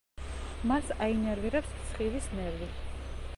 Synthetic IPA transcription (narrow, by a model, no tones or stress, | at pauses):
masainɛɾviɾɛpspʰt̪sʰχivisnɛɾvi